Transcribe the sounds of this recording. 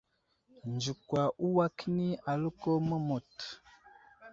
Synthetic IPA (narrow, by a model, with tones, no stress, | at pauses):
n˨d͡ʒu˨kwa˨ʔu˦wa˦kni˦a˨lə˦ko˦mə˦mo˨t